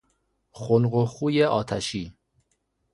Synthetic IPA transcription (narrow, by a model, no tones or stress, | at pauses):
xonɢoxuːjeɒːt̪ʰæʃiː